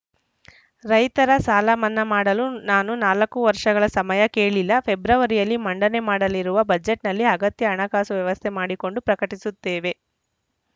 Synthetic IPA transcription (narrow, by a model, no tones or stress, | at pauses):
ɾɐjt̪ɐɾɐsaːlɐmɐnːɐmaːɽɐlunaːnunaːlɐkːuʋɐɾʂɐɡɐɭɐsɐmɐjɐkeːɭilːɐpʰe̞bɾɐʋɐɾijɐlːimɐɳɖɐne̞maːɽɐliɾuʋɐbɐd͡ʒe̞ʈnɐlːiɐɡɐt̪jɐːɳɐkaːsuʋjɐʋɐst̪ʰemaːɽiko̞ɳɖupɾɐkɐʈisut̪ːeːʋe̞